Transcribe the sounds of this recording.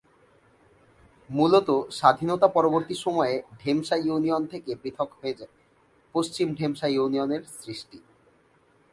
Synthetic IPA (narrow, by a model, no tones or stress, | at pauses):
mulot̪oʃad̪ʱinot̪apɔɾoboɾt̪iʃɔmɔeɖʱemʃajuniont̪ʰekebɾit̪ʰokɦoed͡ʑa | post͡ɕimɖʱemʃajunioneɾsɾiʃʈi